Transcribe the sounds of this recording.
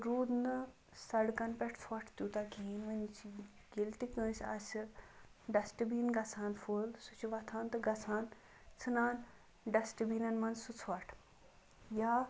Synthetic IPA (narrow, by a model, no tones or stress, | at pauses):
ɾuːd̪nɨ | sɐɽkɐnpɛʈʰt͡sʰɐʈʰt̪uːt̪akiːnʋɐnt͡ʃʰ | ɡilt̪ikə̃ːsʲɐ̰s | ɖɐsʈbiːnɡɐt͡sʰaːnfulsut͡ʃʰuʋɐt̪ʰaːnt̪ɨɡɐt͡sʰaːn | t͡sʰɨnaːn | ɖɐsʈɨbiːnɐnmɐnsut͡sʰɐʈʰ | jaː